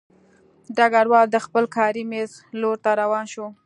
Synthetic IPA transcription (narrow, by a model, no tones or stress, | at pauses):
ɖaɡaɽwɑld̪əxpəlkʰɑɾimez | loɾt̪aɾawɑnʃo